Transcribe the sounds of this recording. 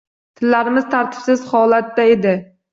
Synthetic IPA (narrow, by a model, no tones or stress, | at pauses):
t̪ʰɪlːaɾɪmɪzt̪ʰaɾt̪ʰɪ̥psɪz̥hɒlat̪ːae̞d̪ɪ